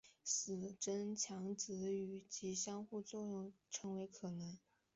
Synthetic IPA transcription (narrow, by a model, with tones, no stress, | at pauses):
sɹ̩˨˩ʈ͡ʂə˥nt͡ɕʰjɑ˧˥ŋt͡s̩˧˥y˨˩t͡ɕi˧˥ɕjɑ˥ŋxu˥˧t͡swɔ˥˧jʊ˥˩ŋʈ͡ʂʰɤ˧˥ŋwe˧˥ɪkʰɤ˨˩nɤ˧˥ŋ